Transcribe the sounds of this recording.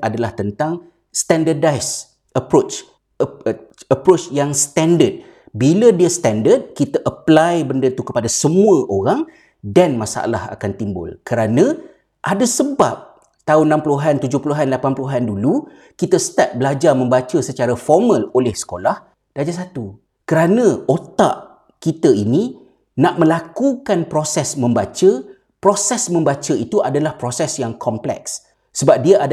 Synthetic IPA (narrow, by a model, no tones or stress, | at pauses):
ʔadalaht̪ənt̪aŋ | st̪ɛndərdajs | ʔəpɾot͡ʃ | əpɾot͡ʃjaŋst̪ɛndəd̚ | bilədiəst̪ɛndəd̚kit̪aʔəplajbəndət̪ukəpadasəmuəʔoɾaŋ | danmasa̰ʔa̰la̰ha̰kant̪imbʊ̰lkəɾanə̃ | ʔadasəba̰p̚ | t̪aʊnːãmpuluɦant̪ud͡ʒʊhpuluɦanlapanpuluɦandulu | kit̪əsə̥t̪at̪̚bəlad͡ʒarmə̃mbat͡ʃəsət͡ʃaɾafɔrmə̃lolɛhsə̥kolah | dad͡ʒas̬at̪u | kəɾanə̃ot̪a̰ʔ | kit̪ainĩ | nãʔmə̃lakukanpɾosɛsmə̃mbat͡ʃə | pɾosɛsmə̃mbat͡ʃəit̪uʔadalahpɾosɛsjaŋkʰɔmplɛ̰ks | səbap̚diaʔa